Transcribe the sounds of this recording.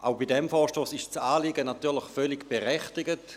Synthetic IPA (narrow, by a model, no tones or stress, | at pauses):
ʔaʊbidɛmfɔːʃtoːsɪʃt͡saːliɡənatyːɐlɪχfœlɪɡb̥eʁɛχtɪɡət